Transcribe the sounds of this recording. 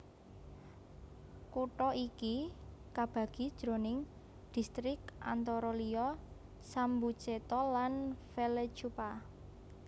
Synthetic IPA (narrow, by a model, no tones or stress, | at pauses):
kuʈɔʔikikab̥a̤ɡ̥i̤d̥ʒ̥ɾo̤nɪŋ | d̪̥i̤st̪ɾɪka̰nt̪ɔɾɔliɔ | sambu̥t͡ʃet̪ɔlanfele̥t͡ʃupa